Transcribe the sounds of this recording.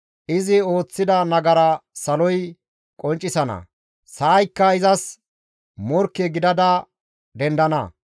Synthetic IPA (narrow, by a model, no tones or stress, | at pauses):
ʔɪzɪo̞ːt͡sːɪd̪ɐnɐɡɐɾɐsɐlɔj | kʼɔnt͡ʃʼːɪsɐnɐ̰ | saːjkːɐɪzɐs | mɔɾkːɛɡɪd̪ɐd̪ɐ | d̪ɛnd̪ɐnɐ̰